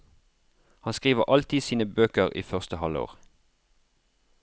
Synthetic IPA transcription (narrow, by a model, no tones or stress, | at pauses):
hɑnskʁiːʋəʔɑlt̪ɪsiːnəbøːkəʁḭːfœʁst̪əhɑləo̰ːʁ